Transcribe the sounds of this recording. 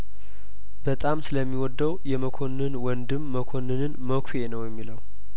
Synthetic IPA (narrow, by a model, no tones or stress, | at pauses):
bət̪ʼamsɨləmːiwɔd̪ːəwjɛməkʰo̞nːɨnwɔnd̪ɨmːəkʰo̞nːɨnɨnməkʷʰenəwjɛmːiləw